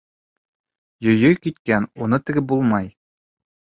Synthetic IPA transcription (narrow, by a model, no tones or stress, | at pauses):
jɵ̆jɵjkit̪kænunɤt̪ɘ̆ɡɘbulˠmɑj